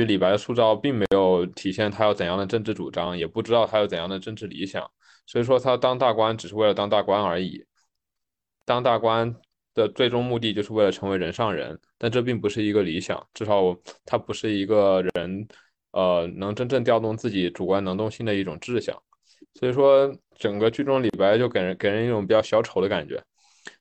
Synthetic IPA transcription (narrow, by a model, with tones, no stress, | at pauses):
y˧˥li˨˩pa˧˥ɪd̪ə˧ʂu˥˧t͡s̪ɑ˥˧ʊpi˥˩ŋme˧˥ɪjo˧˥ʊt̪ʰi˨˩ɕjɛ˥˩nt̪ʰa˥jʊt͡sə˨˩njɑ˥˩ŋd̪ə˩ʈ͡ʂɤ˥˧ŋʈ͡ʂɻ̩˥˩ʈ͡ʂṵ˨˩ʈ͡ʂɑ˥ŋjɛ˨˩pu˥˩ʈ͡ʂɻ̩˥t̪ɑ˥˧ʊt̪ʰa˥jt͡sə˨˩njɑ˥˩d̪ə˩ʈ͡ʂə˥˧nʈ͡ʂɻ̩˥˩li˧˥ɕjɑ̰˨˩˦ŋ | swɔ˧˥i˨˩ʂwɔ˥t̪ʰa˥t̪ɑ˥ŋt̪a˥˩kwa˥nʈ͡ʂɻ̩˨˩ʂɻ̩˥˧we˥˩ɪlə˩t̪ɑ˥ŋt̪a˥˩kwa˥nə˞˧˥ḭ˨˩˦ | t̪ɑ˥ŋt̪a˥˩kwa˥n | d̪̥ə˨t͡swe˥˧ɪʈ͡ʂʊ˥ŋmu˥˧t̪̬i˥˧t͡ɕjo˥˧ʂɻ̩˧we˥˩ɪə˩ʈ͡ʂʰɤ˧˥ŋwe˧˥ɪɻə˧˥nʂɑ˥˩ŋɻə̰˧˥nt̪a˥˧nʈ͡ʂɤ˥˧p̬i˥˩ŋpu˧˥ʂɻ̩˥˩i˧˥ɡə˧li˧˥ɕjɑ̰˨˩˦ŋʈ͡ʂɻ̩˥˩ʂɑ˨˧˥ʊ˩t̪ʰa˥pu˧˥ʂɻ̩˥˩i˧˥ɡə˧ɻə˧˥n | ə˧nɤ˧˥ŋʈ͡ʂə˥nʈ͡ʂɤ˥˧ŋt̪jɑ˥˧ʊt̪ʊ˥˧ŋt͡sɹ̩˥˩t͡ɕi˧˥ʈ͡ʂu˨˩kwa˥nɤ˧˥ŋt̪ʊ˥˧ŋɕi˥˩nd̪ə˩i˥˩ʈ͡ʂʊ̰˨˩ŋʈ͡ʂɻ̩˥˩ɕjɑ̰˨˩˦ŋ | swɔ˧˥i˨˩ʂwɔ˥ | ʈ͡ʂə˨˩ŋɡə˦t͡ɕy˥˧ʈ͡ʂʊ˥˩ŋli˨˩pa˥ɪt͡ɕjo˥˩ʊke˨˩ə˧˥ke˨˩ɪɻə˧˥ni˥˩ʈ͡ʂʊ˨˩˥ŋpi˨˩t͡ɕjɑ˥˩ʊɕjɑ˧˥ʊʈ͡ʂʰo˧˥ʊd̪ə˧ka̰˨˩nt͡ɕɥɛ̰˧˥